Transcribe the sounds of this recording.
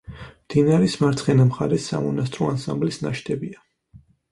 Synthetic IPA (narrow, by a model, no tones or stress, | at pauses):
md̪̥inaɾɛsmaɾt̪sʰχɛnamχaɾɛsːa̰mɔnast̪ʼɾɔansa̰mblisnaʃt̪ʰɛbia